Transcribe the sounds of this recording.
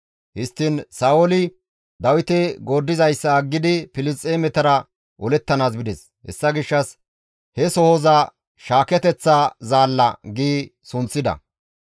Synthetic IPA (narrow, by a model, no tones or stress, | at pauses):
hɪst̪ːɪnsaːwɔlɪ | d̪ɐwɪt̪ɛɡoːd̪ːɪzɐjsːɐːɡːɪd̪ɪpɪlɪst͡sʼːeːmɛt̪ɐɾɐ | ʔɔlɛt̪ːɐnaːsbɪd̪ɛs | hɛ̰sːɐɡɪʃːɐs | hɛsɔhɔzɐ | ʃaːkɛt̪ɛt͡sːazaːlːɐ̰ɡiːsʊnt͡sːɪd̪ɐ̰